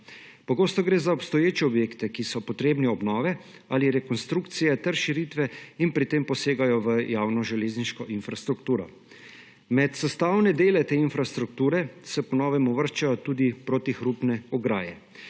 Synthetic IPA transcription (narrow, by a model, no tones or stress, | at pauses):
pɔɡoːst̪ɔɡɾeːzaɔpst̪ɔjeːt͡ʃɛɔbjeːkt̪ɛkisɔpɔt̪ɾeːbniɔbnɔːʋɛ | aːliɾɛkɔnst̪ɾukt̪sijɛt̪ɛɾʃiɾiːt̪ʋɛinpɾit̪empɔseːɡajɔʋəjaːwnɔʒɛleːzniʃkɔʔinfɾast̪ɾukt̪uːɾɔ | mɛt̪sɛst̪awnɛd̪eːlɛt̪eːinfɾast̪ɾuk̚t̪uːɾɛsɛpɔnɔːʋɛmuʋəɾʃt͡ʃajɔt̪uːd̪ipɾot̪ixɾupnɛɔɡɾaːjɛ